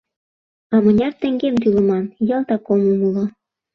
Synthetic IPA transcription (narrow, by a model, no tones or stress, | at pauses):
ɑmɤ̆nʲɑrt̪ĕŋɡemt̪ylə̆mɑnjɤ̆lt̪ɑkomumulo